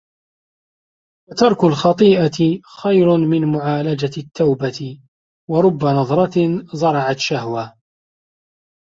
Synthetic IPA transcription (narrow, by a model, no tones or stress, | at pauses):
fat̪ɑɾˤkʊlxɑt̪ˤiːʔaxajɾʊmɪnmʊʕaːlad͡ʒat̪ʰːawbat̪ | wɑɾˤʊbːanɑðˤɾˤɑt̪zˤɑɾˤɑʕat̪ʃahwa